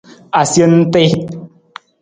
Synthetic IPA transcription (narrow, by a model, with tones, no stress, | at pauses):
a˨sje˦n̩˦te˦